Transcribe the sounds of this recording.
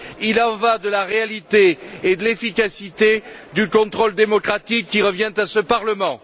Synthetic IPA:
ilɑ̃vad̪əlaʁealit̪eed̪əlefikasit̪ed̪ykɔ̃t̪χɔld̪emɔkχat̪ikːiʁəvjɛ̃t̪asəpaʁləmɑ̃

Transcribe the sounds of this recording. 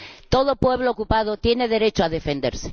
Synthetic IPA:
t̪o̞ðopwe̞β̞lookupað̞ot̪je̞ne̞ðe̞ɾe̞t͡ʃoaðe̞fend̪e̞ɾse̥

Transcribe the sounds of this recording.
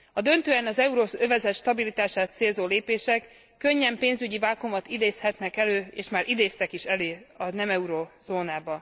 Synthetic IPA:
ɒd̪ø̞nt̪øːɛnɒzɛuɾoːøvɛzɛt̪ʃt̪ɒbilit̪aːʃaːt̪seːlzoːleːpeːʃɛkː | ø̞ɲːɛmpeːnzyɟivaːkomɒt̪id̪eːshɛt̪nɛkɛløːḛːʃmaːɾʔid̪eːst̪ɛkiʃɛleːɒnɛmɛuɾoz̥oːnaːbɒ

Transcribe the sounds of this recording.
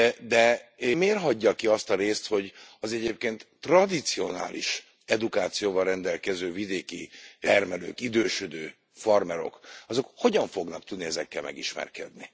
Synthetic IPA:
d̪ɛmeːrɦɒɟːɒkiɒst̪ɒɾeːst̪ho̞ɟɒzɛɟeːp̚keːnt̪ː | rɒd̪it̪sio̞na̰ːlʔḭʃ | ɛd̪ukaːt̪sijoːvɒlrɛnd̪ɛlkɛzøːvid̪eːkiɛrmɛlø̰ːkid̪øːʃød̪øː | fɒrmɛɾo̞̰kɒzo̞kho̞ɟɒɱfo̞ɡnɒk̚t̪ud̪niɛzɛkːɛlmɛ̰ɡiʃmɛ̰rkɛ̰d̪ni

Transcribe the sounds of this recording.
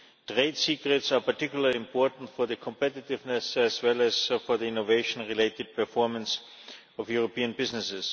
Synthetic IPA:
tʁeɪdsiːkɹɪtsapatɪkjʊl̩ˠəliɪ̃mpʰɔɹtn̩tfɔɹðəkʰɔ̃mpɛtɪtɪvnɛsæzwɛlˠæzfɔ˞ðiɪ̃noveɪʃə̃nɹileɪtɪd̚pə˞fɔɹmə̃ns | ɔfjuɹopiːə̃nbɪznɪsɪs

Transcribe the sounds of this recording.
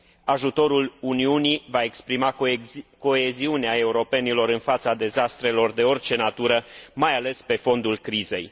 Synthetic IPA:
aʒut̪o̞ɾuluniunivae̞kspɾimako̞e̞ziuneae̞uɾo̞pe̞nilo̞ɾɨnfat̪sad̪e̞zast̪ɾe̞lo̞rd̪e̞o̞rʲt͡ʃe̞nat̪uɾəmajale̞spe̞fo̞nd̪ulkɾize̞̰j

